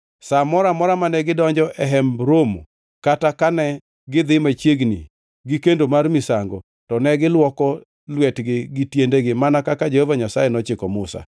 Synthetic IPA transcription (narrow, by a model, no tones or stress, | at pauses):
samɔɾamɔɾamanɛɡɪdɔɲd͡ʒɔʔɛɦɛmbɾomo̰ | katakanɛ | ɡɪd̪ɪmat͡ʃjeɡnḭ | ɡɪkendomarmɪsaŋɡɔ | tɔnɛɡɪlwɔkɔ | lwɛtɡɪɡɪtjendeɡɪmanakakad͡ʒehovaɲasajɛnɔt͡ʃɪkɔmʊsa̰